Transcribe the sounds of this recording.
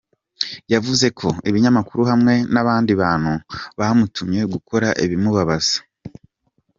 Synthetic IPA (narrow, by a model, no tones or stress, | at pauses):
javuze̞kʰo̞iβiɲamakuɾuɦamŋe̞naβaːndiβaːn̥huβamutʰumɲe̞ɡukʰo̞ɾaʔiβimuβaβaz̥ḁ